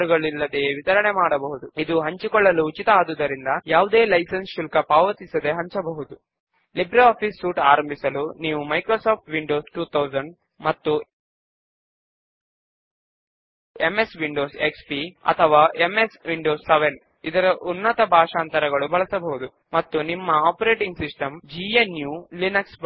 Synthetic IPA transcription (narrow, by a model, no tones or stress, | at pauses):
ɾuɡɐɭilːɐd̪eːʋit̪ɐɾɐɳemaːɽɐbɐɦud̪uid̪uɦɐɲt͡ʃukɔɭːɐluːt͡ʃit̪ɐaːd̪ud̪ɐɾind̪ɐjaːʋud̪e̞ːlɐjsɐnsʃulkɐpaːʋɐt̪isɐd̪e̞ɦɐɲt͡ʃɐbɐɦud̪u | libɾɐaːpʰisːuːʈaːɾɐmbʱisɐluniːʋumɐjkɾoːsaːp̚ʰʈʋiɳɖoːsʈuːt̪ʰɐwzɐɳɖ | mɐt̪ːu | emesʋiɳɖoːsekspiɐ̰t̪ʰɐʋaːʔemesʋiɳɖoːsːeʋen | id̪ɐɾɐʔunːɐt̪ɐbʱaːʂaːnt̪ɐɾɐɡɐɭubɐɭɐsɐbɐɦud̪u | mɐt̪ːunimːɐaːpɐɾe̞ːʈiŋɡsisʈɐmd͡ʒienjuːlinɐks